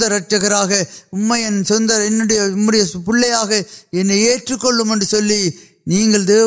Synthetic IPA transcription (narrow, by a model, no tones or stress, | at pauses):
d̪ɐɾɐʈ̚ʈːɐɣɐɾaːɣɐʊmːɐjɛnːsɔnd̪ɐɛnːɯɽɐjɐʊmːɐɽɐjɐpʊɭːɐjaːɣɐɛnːɐɪeːʈrɯkːɔɭːɯmɛndrɯsɔlːi | niːŋɡɐɭɯðɯ